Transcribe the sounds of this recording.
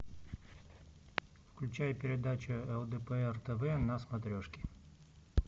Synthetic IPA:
fklʲʉt͡ɕajpʲɪɾʲɪd̪at͡ɕʊɛlˠd̪ɛpəɛrt̪ɛvɛnɐsmɐt̪ɾʲoʂkʲɪ̥

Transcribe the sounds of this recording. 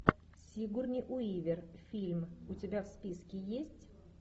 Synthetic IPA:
sʲiɡurnʲɪjʔʊivʲɪrfʲilʲmʊtʲɪbʲafspʲiskʲɪjesʲtʲ

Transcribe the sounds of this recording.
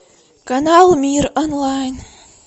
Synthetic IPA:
kanalˠmiɾɔnlajn

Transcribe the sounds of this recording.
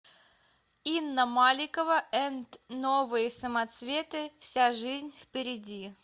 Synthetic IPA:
inːəmalʲɪkəvəɛnt̪novɨjəsəmɐt̪svʲe̞t̪ɨfsʲaʐɨzʲnʲfpʲɪɾʲɪdʲi

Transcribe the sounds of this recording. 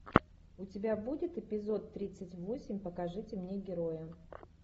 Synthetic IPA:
ʊtʲɪbʲabudʲɪt̪ɪpʲɪzo̞t̪ːɾʲit̪sɨtʲvo̞sʲɪmʲpəkɐʐɨtʲɪmnʲe̞ɡʲɪɾojə

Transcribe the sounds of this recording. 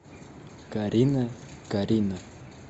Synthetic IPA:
kaɾinakaɾina

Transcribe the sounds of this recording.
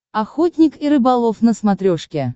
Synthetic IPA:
axot̪ʲnʲɪkiɾɨbalˠofnəsmat̪ɾʲoʂkʲe

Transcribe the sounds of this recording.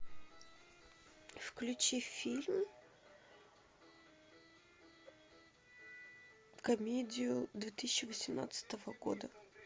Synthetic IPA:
fklʲʉt͡ɕifʲilʲm | kɐmʲedʲɪjʊd̪vʲet̪ɨsʲɕːɪvəsʲɪmna̰t̪sɨ̥t̪əvəɡo̞̰d̪ə

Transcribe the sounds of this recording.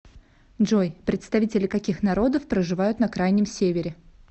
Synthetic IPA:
ʐojpɾʲɪt̪st̪ɐvʲitʲɪlʲɪkɐkʲixnɐɾo̞d̪əfpɾəʐɨvajʊt̪nɐkɾajnʲɪmsʲevʲɪɾʲɪ

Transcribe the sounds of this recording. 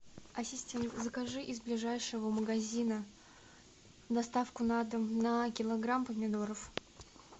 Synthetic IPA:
ɐsʲɪsʲtʲenzəkaʐɨʔɪzblʲɪʐajʂɨvəməɡɐzʲinə | d̪ɐst̪afkʊnad̪əmnəkʲɪlˠɐɡɾampəmʲɪd̪o̞ɾəf

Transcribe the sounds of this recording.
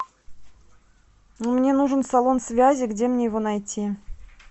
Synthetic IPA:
numnʲe̞nuʐɨnsalˠo̞nsvʲazʲɪɡdʲe̞mnʲe̞jɪvo̞nɐjtʲi

